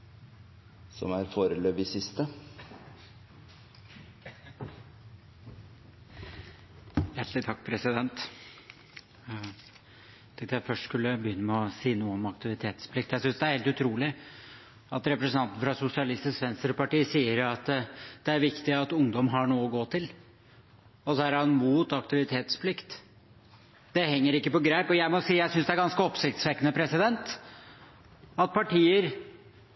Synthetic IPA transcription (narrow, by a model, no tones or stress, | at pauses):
sɔ̰mæɾfoːɾəløːʋɪsɪst̪ə | jæʈʰlɪt̪ʰɑkːpʰɾɛsɪd̪ɛnt̪ | t̪ʰɛ̃ŋkt̪əjæɪfœʂʈskʉlːəbəjʏnːəmɛɔsiːnuːəɔmɑkt̪ɪʋɪt̪ʰeːt̪spʰlɪkt̪jæsʏnsd̪ɛæɾheːlt̪ʉt̪ʰɾuːlɪ | ɑt̪ɾɛpɾəsənɑnt̪̩fɾɑsʊsɪɑlɪst̪ɪskʋɛnsəɾpɑʈiːsiːəɾɑt̪d̪̥ɛæɾʋɪkt̪ɪɑt̪ʊŋd̪ɔmɦɑɳuːəɔɡoːt̪ʰɪl | ɔsɔæɾɑnmuːt̪ɑkt̪ɪʋɪt̪ʰeːt̪spʰlɪkt̪ | d̪̥ɛhɛŋːəɾɪkːəpɔɡɾæɪpɔjæɪmɔsiːjæɪsʏnsd̪ɛæɾɡɑnskəɔpsɪkt̪sʋɛkːənəpʰɾɛsɪd̪ɛnt̪ | ɑt̪̚pʰɑʈʰiːəɾ